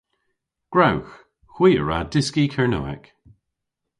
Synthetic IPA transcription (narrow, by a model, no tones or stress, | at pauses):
ɡ̥ɹawx | xwiːə̰ɹadɪskikʰɛɹno̰ːɛ̰k